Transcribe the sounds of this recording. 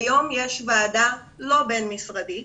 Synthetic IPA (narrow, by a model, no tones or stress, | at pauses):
jo̞mjeʃvaːda | lo̞be̞nmisʁadi